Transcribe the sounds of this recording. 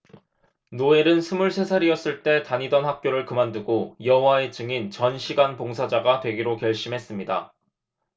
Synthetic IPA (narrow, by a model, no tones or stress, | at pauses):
noe̞ɾɯnsʰumuɭsʰe̞sʰaɾiʌs͈ɯɭt͈e̞taɲidʌnhak̚k͈joɾɯɭkɯmandɯɡojʌwae̞t͡ɕɯŋint͡ɕʌnɕʰiɡanpoŋsʰad͡ʑaɡatwe̞ɡiɾokjʌɭɕ͈imɦe̞s͈ɯmɲida̰